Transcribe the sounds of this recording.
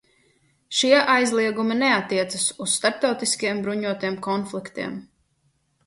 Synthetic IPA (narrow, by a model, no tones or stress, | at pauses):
ʃiɛʔajzlˠiɛɡuminɛat̪ːiɛt̪sasusst̪aɾp̚t̪awt̪iskijɛmbɾuɲuɔt̪ijɛmkɔnflˠikt̪ḭɛm